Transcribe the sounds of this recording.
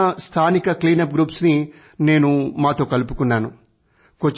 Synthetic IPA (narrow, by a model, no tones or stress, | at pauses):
st̪ʰaːnikɐkliːnɐp̚ɡɾuːpsni | ne̞ːnumaːt̪o̞ːkɐlupu̥kunːaːnu | kot͡ʃː